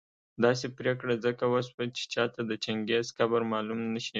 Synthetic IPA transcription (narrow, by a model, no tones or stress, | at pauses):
d̪ɑs̬epɾekɽazəkawaswat͡ʃe̥t͡ʃɑt̪ad̪ət͡ʃaŋɡezxabaɾmɑlumnəʃi